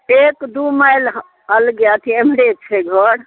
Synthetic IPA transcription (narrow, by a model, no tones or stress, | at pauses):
ekd̪umajl | əlɡjat̪ʰiemɽet͡ʃʰɛɡʱɔɽ